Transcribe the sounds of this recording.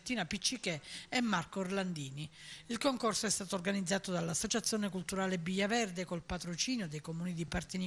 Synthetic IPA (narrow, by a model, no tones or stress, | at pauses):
t̪ːiːnapit͡ʃːikɛɛmːarkorland̪iːniilkoŋkorsoɛst̪aːt̪orɡanid̪zːaːt̪od̪alːasːot͡ʃat̪sːjoːnekult̪uɾaːlebijːavɛrd̪ekolpat̪ɾot͡ʃiːnjod̪ejkomuːnid̪ipart̪ini